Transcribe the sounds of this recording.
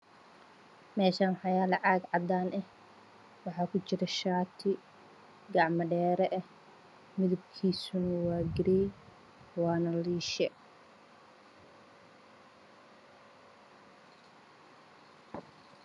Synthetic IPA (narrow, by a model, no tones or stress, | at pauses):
mɛːʃaːnħɑjaːlɐʕaːɡʕɑd̪aːnʔɛh | wɑħɑːkʰʊt͡ʃɪɾɛʃaːt̪ʰɪ | ɡɑʕmɐɖɛːɾɛʔɛh | mɪðʊb̚kʰiːsʊnɐwaːɡɪɾɛj | wɑːnɐliːʃɛ